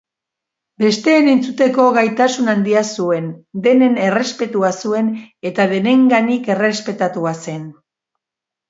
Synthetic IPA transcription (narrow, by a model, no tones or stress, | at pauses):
be̞st̪e̞ːne̞nt͡sut̪e̞ko̞ɣajt̪asunand̪iasue̞nd̪e̞ne̞ne̞re̞spe̞t̪uasue̞ne̞t̪aðe̞ne̞ŋɡanike̞re̞spe̞t̪at̪uase̞n